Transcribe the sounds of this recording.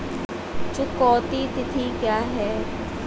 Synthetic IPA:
t͡ʃʊkɔːt̪it̪ɪt̪ʰikjaːɦɛː

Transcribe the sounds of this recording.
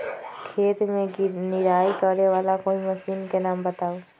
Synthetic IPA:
kʰeːt̪mẽnɪɾaːikəɾneʋaːlakoːimɐsiːnkenaːmbɐt̪aːoː

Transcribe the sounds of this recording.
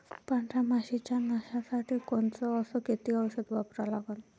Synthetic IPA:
paɳʈʰamaʃit͡ʃanaʃasaʈʰikɔnt͡sɔɔsɔket̪iɔwɔʃɔd̪bapɾalaɡɔn

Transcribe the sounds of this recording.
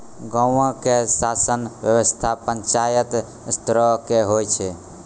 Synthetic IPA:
ɡə̃ə̃kesasənbjəwəst̪ʰapəɲt͡ʃajət̪ | st̪ɾəkeɦojt͡ʃʰɛ

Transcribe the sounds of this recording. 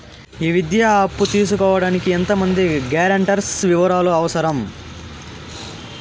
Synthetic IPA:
iːʋid̪jaːɐpːut̪iːs̬ukɔːʋɐɽaːnikient̪ɐmɐnd̪iɡaːɾɐɳʈɐɾsʋiʋɐɾaːluɐʋɐsɐɾɐm

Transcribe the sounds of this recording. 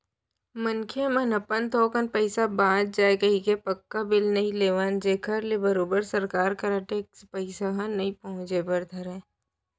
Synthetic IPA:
mənkʰemɐ̃nɐpənt̪oːkənpəɪsabãːd̪̚d͡ʒaːekəɦikepɐkːabɪlnɐɦĩleːʋaːnd͡ʒeːkʰəɾlebəɾoːbəɾsɐɾkaːɾkɐɾaːʈeːkspɐɪsakãnɐɦĩpɐɦʊ̃t͡ʃebɐɾd̪ʱɐɾɛ̃ː

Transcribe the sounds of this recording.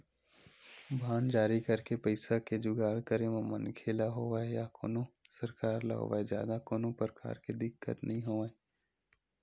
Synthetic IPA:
bʱaːnd͡ʒaːɾikɐɾkepɐɪsaked͡ʒʊɡaːɭkəɾeʋãmɐnkʰeːlaɦoːʋaːejako̰ːnõsɐɾkaːɾla̰ɦo̰ʋa̰ːed͡ʒja̰ːd̪akoːnõpɾəka̰ːɾked̪ɪkːə̰t̪nʔɐɦĩɦoːʋaːe

